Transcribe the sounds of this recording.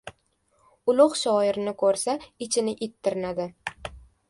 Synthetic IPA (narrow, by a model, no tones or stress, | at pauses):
ʊlˠʊχʃɒɪɾɪnɪkʰɵɾsaɪt͡ʃʰɪnɪʔɪt̪ʰːɪɾɪnad̪ɪ